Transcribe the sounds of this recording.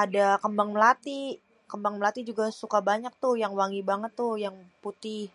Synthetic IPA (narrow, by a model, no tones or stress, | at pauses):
adakəmbaŋməlat̪i | kəmbaŋməlat̪id͡ʒuɡasukabaɲak̚t̪ʊhjaŋwaŋibaŋət̪ːʊhjaŋput̪ɪh